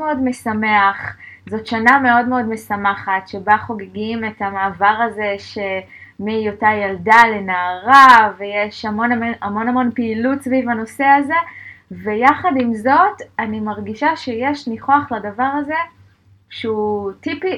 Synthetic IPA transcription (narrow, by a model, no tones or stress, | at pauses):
meodme̞same̞aχzo̞tʃaname̞o̞dme̞o̞dme̞samaχatʃe̞baχo̞ɡeɡime̞tamaːvaʁaze̞ʃe̞mijotajaldale̞naːʁave̞jeʃhamo̞namamo̞namo̞npiilutsvivano̞se̞aze̞ve̞jaχadimzo̞tanimaʁɡiʃaʃe̞je̞ʃniχo̞aχladavaʁaze̞ | ʃeutipi